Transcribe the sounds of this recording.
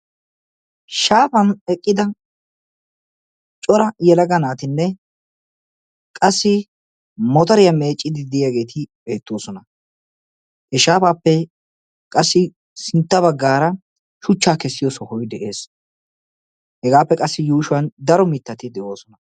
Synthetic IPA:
ʃaːpɐnɛkʼːɪd̪ɐ | t͡ʃʼɔɾɐjɛlɐɡɐnaːt̪ɪnːɛ | kʼɐsːɪ | mɔt̪ɐɾɪjɐme̞ːt͡ʃʼːɪd̪ɪd̪ɪjaɡe̞ːt̪ʰɪbe̞ːt̪ːoːsɔnɐ | hɛʃaːfaːpːɛ | kʼɐsːɪ | sɪnt̪ːɐbɐɡːaːɾɐ | ʃʊt͡ʃːaːkɛsːɪjɔsɔhɔjd̪ɛʔe̞ːs | hɛɡaːpːɛkʼɐsːɪjuːʃʊwɐnd̪ɐɾɔmɪt̪ːɐt̪ɪd̪ɛʔo̞ːsɔnɐ

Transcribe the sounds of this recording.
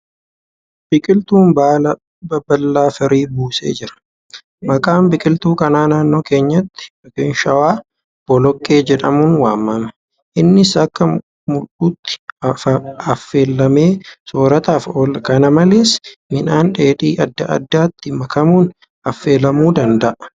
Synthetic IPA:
b̥ɪkʼɪlt̪uːnbaːlɐ | bɐbɐlːaːfɐɾiːbuːsḛːd͡ʒɪɾɐ̥ | mɐkʼaːmbɪkʼɪlt̪uːkɐnaːnaːnːo̞ːke̞ːɲːɐt̪ːɪ̥ɪkɪnʃɐwaː | b̥ɔlɔkʼːe̞ːd͡ʒɛᶑɐmunwaːmːɐmɐ | ʔɪnːɪsɐkːɐ | mʊᶑuːt̪ːɪ̥ | ɐfːe̞ːlːɐmeːsoːɾɐt̪aːfoːlɐkɐnɐmɐleːsmɪnaːnᶑeːᶑiːʔɐd̪ːɐʔɐ̰d̪ːaːt̪ːɪmɐkɐmuːn | ɐfːe̞ːlɐmuːd̪ɐnd̪ɐʔɐ

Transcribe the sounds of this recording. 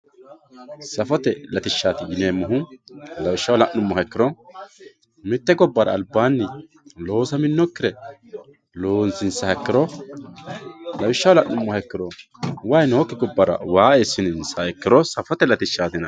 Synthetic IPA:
sɐfɔt̪ɛlɐt̪ɪʃːaːt̪ɪɡɪneːmːʊɦʊlɐwɪʃːɐwlɐʔnʊmːɔɦɐkːɪɾɔ | mɪt̪ːɛɡɔbːɐɾɐ̰ːlbːaːnːɪ | lo̞ːsɐmɪnːɔkːɪɾɛ | lo̞ːnsɪnsɐhɐkːɪɾɔ | lɐwɪʃːɐwlɐʔːʊmːɔhɐkːɪɾɔ | wɐjnɔhɔkːɪɡɔbːɐɾɐ̰waːeːsːɪnɪnsɐɛkːɪɾɔsɐfɔt̪ɛlɐt̪ɪʃːaːt̪ɪnɐ

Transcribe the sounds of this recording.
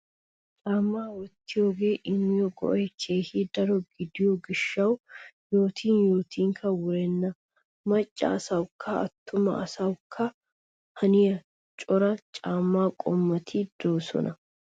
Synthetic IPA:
t͡ʃʼaːmːaːwɔt̪ːɪjoːɡe̞ːʔɪmːɪjɔɡɔ̰ʔɔjt͡ʃʰeːhid̪ɐɾɔɡɪd̪ɪjoɡɪʃːɐwjoːt̪ʰiːnjo̞ːt̪ʰiːŋkʰɐwʊɾɛnːɐ | mɐt͡ʃʼːa̰ːsɐwkʰːɐɐ̰t̪ːʊmɐːsɐwkʰːɐ | hɐnɪjɐ | t͡ʃʼɔɾɐt͡ʃʼaːmːaːkʼɔmːɐt̪ʰid̪̥oːsɔ̰nʔɐ

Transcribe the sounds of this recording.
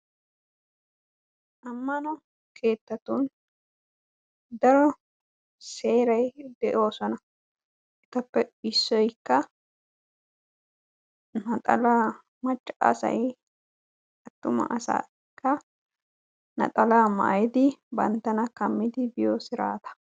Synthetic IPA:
ʔɐmːɐnɔ | kʰe̞ːt̪ːɐt̪un | d̪ɐɾɔ | se̞ːɾɐjd̪ɛʔo̞ːsɔnɐ | ʔɛt̪ːɐpːɛɪsːɔjkːɐ | nɐt̪ʼɐ̰la | mɐt͡ʃʼːɐ̰sɐ̰j | ɐt̪ːʊmɐ̰ʔɐsa̰ː | kːɐ | nɐ̰t̪ʼɐlama̰ːjɪd̪ɪbɐ̰nt̪ːɐnɐkɐmːɪd̪ɪbɪjɔsɪɾa̰ːt̪ɐ̥

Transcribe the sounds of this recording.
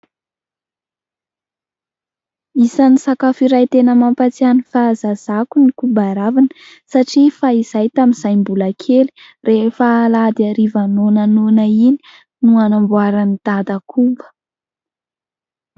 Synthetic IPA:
isanisakafiɾajt̪enəmampat͡sianifazaz̥akunikubaɾavinə̥ | saʈ͡ʂifaiz̥ajt̪aminz̥ajmbulakʰeli̥ | reɦfalad̪aɾivanonanonaini̥ | nuanambuaɾanid̪̥ad̪akʰumbə̥

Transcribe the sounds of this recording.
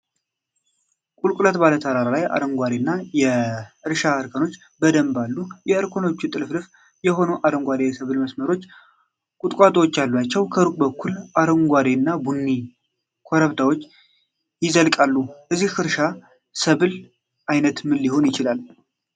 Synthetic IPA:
kʼulkʼlət̪balət̪ʰəɾaɾalaja̰ɾəŋɡʷaɾenːajɛɨɾʃaɨɾkʰəno̞t͡ʃː | bəd̪əmbalːujɛɨɾkʰo̞no̞t͡ʃːut̪ʼɨlflɨf | jɛɦo̞noʔaɾəŋɡʷad̪esəβɨlməsməɾo̞t͡ʃː | kʼut̪ʼkʼat̪ʼwot͡ʃːalːuat͡ʃːɛwkʰəɨɾukʼbəkʰːulaɾəŋɡʷaɾenːabunːi | kʰo̞ɾəβd̪awo̞t͡ʃː | jɪzəlkʼalːuʔɨzːiɨɾʃa | səβɨl | ajnət̪mɨlːiho̞njɪt͡ʃɪlal

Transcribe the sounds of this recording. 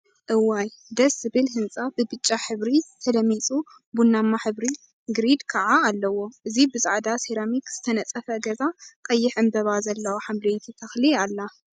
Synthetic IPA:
ʔɨwajd̪ɐszɨβɨlɦɨnt͡sʼabɨbɨt͡ʃʼːaħɨβɾit̪ʰɐlɐmit͡sʼu | bunːamːaħɨβɾi | ɡɨɾid̪kʰɐʕaːlːɐwo̞ʔɨzibɨzaʕd̪aseɾamikz̥ɨt̪ʰɐnɐt͡sʼɐfɐɡɐzakʼɐjːɪħɨmbɐβazɐlːɐwoħamlejt̪ʰit̪ʰɐxlialːa

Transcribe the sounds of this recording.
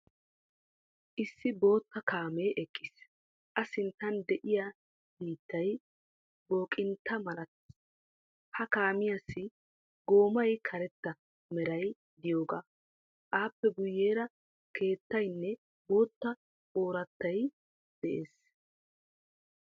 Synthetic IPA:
ʔɪsːɪbo̞ːt̪ːɐkaːmeːʔɛkʼːɪs | ʔɐsɪnt̪ɐnd̪ɛʔɪja | biːt̪ːɐj | bo̞ːkʼɪnt̪ːɐmɐlɐt̪ː | hɐkaːmɪjɐsːɪ | ɡo̞ːmɐjkʰɐɾɛt̪ːɐ | mɛɾɐj | d̪ɪjo̞ːɡa̰ː | ʔaːpːɛɡʊjːeːɾɐ | ke̞ːt̪ːɐjnːɛ | bo̞ːt̪ːɐ | oːɾɐt̪ːɐj | d̪̥ɛʔḛːs

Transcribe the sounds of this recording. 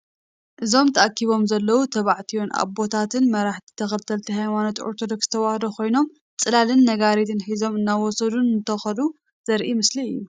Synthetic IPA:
ʔɨzo̞mt̪ʰɐʔakʰːiβo̞mzɐlːɐwut̪ʰɐβaʕt̪ʰijwonʔa̰βbo̞t̪ʰat̪ʰɨnmɐɾaħt̪ʰi̥t̪ʰɐxɐlt̪ʰɐlt̪ʰiɦajmanot̪oɾt̪ʰod̪o̞ksz̥t̪ʰɐwahd̪okʰo̞jno̞m | t͡sʼɨlalɨnːɐɡaɾit̪ʰɨnħizo̞mɨnːaβwɔsɐd̪unɨnt̪ʰɐxɐlu | z̥ɐɾʔimɨsliɨjːu

